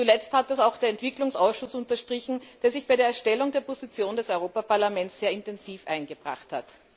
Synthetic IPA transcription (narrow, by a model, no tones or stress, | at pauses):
t͡sulɛt͡sthatɛsaʊxd̥eːɐɛntv̥ɪklʊŋsʔaʊsʃʊsʊntɐʃtʁ̥ɪçn̩d̥eːɐzɪçb̥aɪɾeːɐɛɐʃtɛlʊŋdeːɐpozit͡sjoːndɛsɔʏʁoːpapaɐlamɛnsz̥eːɐɪntɛnziːfʔa̰ɪnɡəb̥ʁa̰χtha̰t